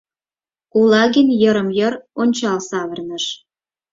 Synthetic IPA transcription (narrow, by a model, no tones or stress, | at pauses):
ulɑɣenʲjə̆ɾə̆mjəɾonʲt͡ɕɑlsɑβə̆rnə̆ʃ